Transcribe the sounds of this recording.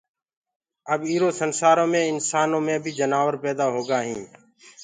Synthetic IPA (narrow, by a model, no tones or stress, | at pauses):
əbiːɾoːsənsaːɾõːmẽːɪnsaːnõːmẽːbʱiːd͡ʒənaːʋəɾpɛːd̪aːɦoːɡaːɦĩː